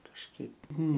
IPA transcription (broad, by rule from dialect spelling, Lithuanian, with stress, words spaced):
kɐʃˈkɐɪp ˈnʊ